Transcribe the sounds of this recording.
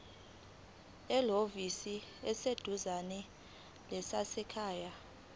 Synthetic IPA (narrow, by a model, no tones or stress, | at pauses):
ɛlovisiɛsed̥ʱuzanɛ | lɛsasɛkʰaːja